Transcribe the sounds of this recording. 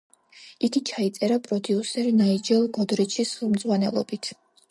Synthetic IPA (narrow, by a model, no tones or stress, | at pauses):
ik̪it͡ʃʰait̪sʼɛɾapʼɾɔd̪iusɛɾinaid͡ʒɛlˠɡɔd̪ɾit͡ʃʰisχɛlˠmd̪zʁwanɛlˠɔ̰bit̪ʰ